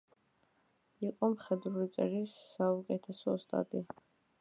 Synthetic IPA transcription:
iqʼɔmχɛd̪ɾuɾit̪sʼɛɾisːaukʼɛt̪ʰɛsɔst̪ʼa̰t̪ʼia

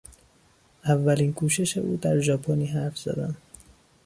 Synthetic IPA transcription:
ʔævːæliːnkʰuːʃe̞ʃe̞ʔuːd̪æɾʒɒːpʰoniːɦæɾfz̥æ̰d̪æn

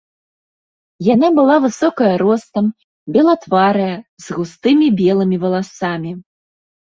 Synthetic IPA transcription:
janabɨlˠavɨsɔkɐjɐɾɔst̪ɐm | bʲɛlˠat̪vaɾɐjɐzɣust̪ɨmʲibʲɛlˠɨmʲivɐlˠasamʲi

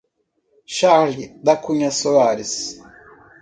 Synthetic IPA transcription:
ʃaɾlid̪akuɲasoaɾis

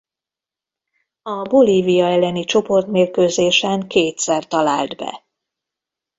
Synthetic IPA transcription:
ɒboliːvijɒɛlːɛnit͡ʃo̞po̞rt̪meːrkøːzeːʃɛŋkeːt̪sɛrt̪ɒla̰ːld̪bɛ̰

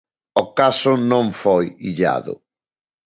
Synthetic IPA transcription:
okasʊnõŋfojiʎa̰ðʊ̰

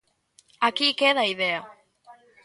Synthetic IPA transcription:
akikeðaiðea

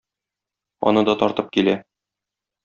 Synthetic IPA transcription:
ɒ̰nɤd̪ɒt̪ɒɾt̪ɤp̚kilæ

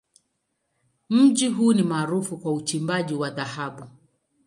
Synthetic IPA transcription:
m̩ʄiɦunimaːɾufukwaut͡ʃimbaʄiwaðahaɓu

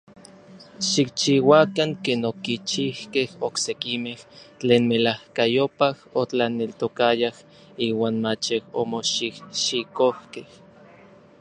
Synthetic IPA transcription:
ʃik̚t͡ʃiwakaŋkeːnokit͡ʃihkehoksekimeht͡ɬeːnmelahkajopahot͡ɬanelt̪okajah | iːwaːnmat͡ʃeho̰moʃikʃikohkeh

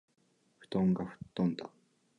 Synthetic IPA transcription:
ɸɯ̟̥t̪õŋɡaɸɯ̟̥t̪ːõnd̪a

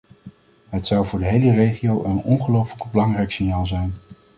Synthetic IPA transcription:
ɦətsɑwvʊːɹdəɦejlərejχiowʔənɔnχəlowfələɡbəlɑŋrɛjksɪnjaːlˠzɛjn

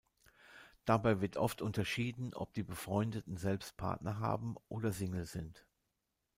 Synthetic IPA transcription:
d̥abaɪvɪɐtʔɔftʰʔʊntɐʃiːdn̩ʔɔ̰p̚d̥iːbəfʁ̥ɔʏndətn̩zɛlpst̚pʰa̰ɐtnɐɦa̰ːbm̩ʔoːdɐzɪŋl̩zɪnt

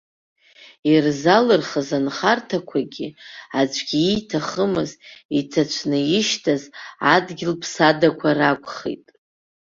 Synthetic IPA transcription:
irzalɨrχazanχartʰakʷʰaɡʲiad͡ʒʷʰʼɡʲiitʰaχəmɨzitʰat͡ʃʷʰnɨjɪʃtʰazadɡʲɪlpʰsadakʷʰarakʷʼχḛtʼ

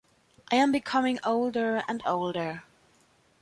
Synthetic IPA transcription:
ʔaɪɨ̃mbɨkʰʌmɪ̃ŋoʊlˠdə˞ə̰̃ndoʊlˠdə˞

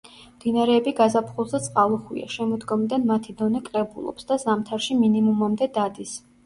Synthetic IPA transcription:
md̪inaɾɛːbiɡazapʰχulˠzat̪sʼqʼalˠɔχwḭa̰ʃɛmɔd̪ɡɔmid̪anmat̪ʰid̪ɔnɛkʼɾɛbulˠɔ̰psd̪azamt̪ʰaɾʃiminimumamd̪ɛd̪ad̪is

